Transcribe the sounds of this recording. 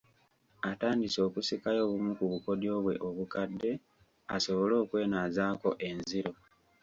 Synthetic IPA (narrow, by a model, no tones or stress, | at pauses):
ataːndiso̞ːkusikajo̞ːβumukuβuko̞djo̞ːβwe̞̰ʔoβukadːe̞ | aso̞βo̞lo̞ːkwe̞ːnazaːko̞ʔe̞nziɾo̞